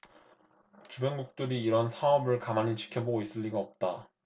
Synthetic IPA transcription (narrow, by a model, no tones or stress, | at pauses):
t͡ɕubeŋɡuk̚t͈ɯɾiːɾʌnsʰaʌbɯɭkamaɲit͡ɕi̥kʰjʌboɡois͈ɯʎːiɡaʌp̚t͈a